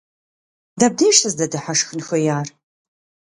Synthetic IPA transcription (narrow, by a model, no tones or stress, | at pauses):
dɐb̚deːjʃtʰɐzdɐdɨħaʂxɨnxɐjaːr